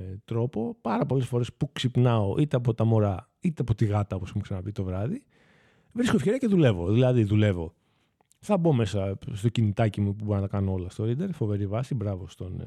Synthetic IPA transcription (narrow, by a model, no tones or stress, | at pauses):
t̪ɾo̞po̞pɐɾɐpo̞le̞sfo̞ɾe̞spuksipnɐo̞ʔit̪eɐp̬o̞t̪ɐmo̞ɾɐ | it̪eɐpot̪iɣɐt̪ɐo̞posexumeksɐnɐpit̪o̞vɾɐði | vɾiskofçe̞ɾiɐce̞ðule̞vo̞ðilɐðiðule̞vo̞ | θɐbo̞me̞sɐst̪o̞cinit̪ɐcimupuboɾnɐt̪ɐkɐnoo̞lɐst̪o̞ɾid̪e̞ɾfo̞veɾivɐsibɾɐvo̞st̪o̞n